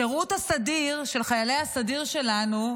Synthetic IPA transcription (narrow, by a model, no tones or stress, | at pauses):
eʁut̪hasadiʁʃe̞lχajalejhasadiʁʃe̞lanu